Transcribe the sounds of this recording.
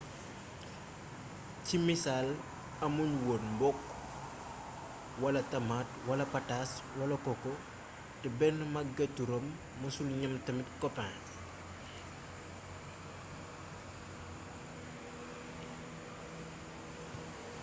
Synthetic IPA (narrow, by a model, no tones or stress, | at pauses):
cimisal | ɐmuɲwonmbɔkː | wɐlɐtɐmatwɐlɐpɐtaswɐlɐkɔkːɔ | tɛbɛnːmɐɡɐtːuɾɔmː | ɐsulɲɐmtɐmitkɔpa